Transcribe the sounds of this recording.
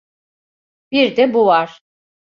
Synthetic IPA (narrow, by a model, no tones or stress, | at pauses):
biɾd̪ɛbuvaɾ̥